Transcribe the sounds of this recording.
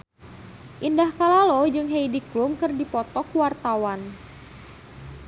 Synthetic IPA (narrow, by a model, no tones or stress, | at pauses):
ʔindahkalalɔd͡ʒɨŋɦejdiklumkɨrdipɔt̪ɔkwart̪awan